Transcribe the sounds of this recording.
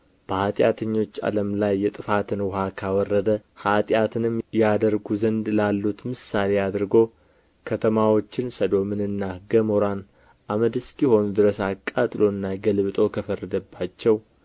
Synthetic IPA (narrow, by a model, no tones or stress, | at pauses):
b̥əhat̪ʼjat̪ʰəɲːo̞t͡ʃːa̰ləmlajːɛt̪ʼɨfat̪ʰɨnwʊhakʰawɔrːəd̪əhat̪ʼjat̪ʰɨnɨmjad̪əɾɡuzənd̪lalːut̪mɨsːale̞ad̪ɾɨɡo̞ | kʰət̪ʰəmawot͡ʃːɪnsəd̪o̞mɨnɨnːaɡəmoɾan | ʔaməd̪ɨskiho̞nud̪ɨɾəsakʼːat̪ʼlo̞ɨnːaɡəlβɨt̪ʼo̞kʰəfərːəd̪əbːat͡ʃːɛw